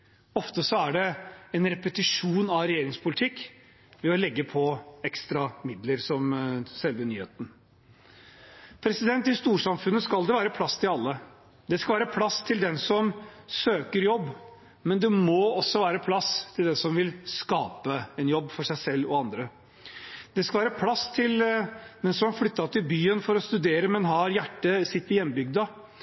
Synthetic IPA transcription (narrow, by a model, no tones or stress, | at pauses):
ɔft̪əsɔæɖɛɛnɾɛpət̪ɪʂuːnɑɾɛjeːɾɪŋspʰʊlɪt̪ʰɪkː | ʋɛɔlɛɡːəpʰɔɛkst̪ɾɑmɪd̪ləɾsɔmsɛlʋənyːhḛːt̪n̩ | pʰɾɛsɪd̪ɛnt̪ɪst̪uːʂɑmfʉnːəskɑld̪ɛʋæːɾəpʰlɑst̪ʰɪlɑlːə | d̪ɛskɑlʋæːɾəpʰlɑst̪ʰɪld̪ɛnsɔmsøːkəɾjɔbː | mɛnd̪ɛmɔɔsːɔʋæːɾəpʰlɑst̪ʰɪld̪ɛnsɔmʋɪlskɑːpəɛnjɔbːfɔʂæɪsɛlːɔɑnd̪ɾə | d̪̥ɛskɑlʋæːɾəpʰlɑst̪ʰɪld̪ɛnsɔmɑflʏt̪ːɑt̪ʰɪlbyːənfɔɾɔst̪ʉd̪eːɾəmɛnɦɑɾjæʈːəsɪt̪ːɪɾjɛnːbʏɡ̚d̪ɑ